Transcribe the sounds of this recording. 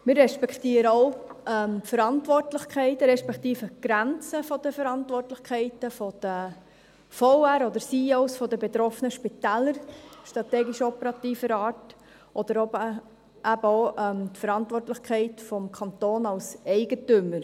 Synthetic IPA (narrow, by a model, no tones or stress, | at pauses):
mɪɾːɛʃpɛkʰt̪iːɾəɔʊɛmtfəɾɑntʋɔrtlɪχkχɛɪtɾɛʃpɛkʰχt̪iːfəɡ̥ɾænt͡səfɔd̥̪əfəɾɑntʋɔrtlɪχkʰɛɪtəfɔd̪̥ə | fɔwæɾɔd̪əɾsiːoʊsfɔd̪əbet̪ɾɔfənəʃpit̪æːlːəɾʃtɾɑt̪ɛːɡiʃɔpəɾɑt̪iːfəɾɑːt | ʔɔd̪əɾɔbə | æbəɔʊʔɛmtfəɾɑntʋɔrtləχkχɛɪtfɔmkʰɑnt̪oːnɑwsɛɪɡətʏmːəɾ